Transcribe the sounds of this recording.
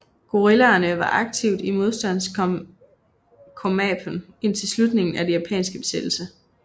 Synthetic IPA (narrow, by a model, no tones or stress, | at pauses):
ɡ̥o̝ʁilæːnəʋɑ̈ʔɑ̈ɡ̥̚t͡sʰiʊ̰d̥imo̝ð̞ˠsd̥æn̰s | kʰomɛbʰon | e̝n̰t͡sʰe̝lslud̥ne̝ŋn̩æd̥e̝jæpʰɛ̰ːnsɡ̥əb̥e̝̥sed̥l̩sə